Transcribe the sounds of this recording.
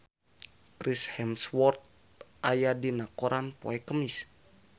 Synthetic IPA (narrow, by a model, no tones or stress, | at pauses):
kɾishɛmswɔrt̪̚ | ajadinakoɾanpoɛkəmis